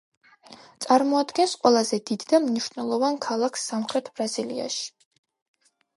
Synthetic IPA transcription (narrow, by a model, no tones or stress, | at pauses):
t̪sʼaɾmɔad̪ɡɛnsqʼwɛlˠazɛd̪id̪ːamniʃnɛlˠɔvankʰalˠakʰsːamχɾɛt̪ʰb̥ɾazilia̰ʃi̥